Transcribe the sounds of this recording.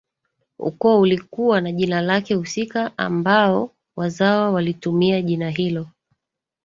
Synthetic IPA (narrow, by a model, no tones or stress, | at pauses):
ṵkɔulikuwanaʄinalakɛhusikaʔa̰mbaɔ | wazawawalitumiaʄinaɦilɔ